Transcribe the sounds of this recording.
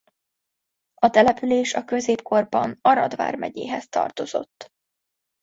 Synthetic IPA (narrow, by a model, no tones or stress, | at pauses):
ɒt̪ɛlɛpyleːʃɒkø̞zeːpko̞rbɒnɒɾɒd̪va̰ːrmɛɟeːɦɛst̪ɒ̰rt̪o̞z̥o̞̰t̪ː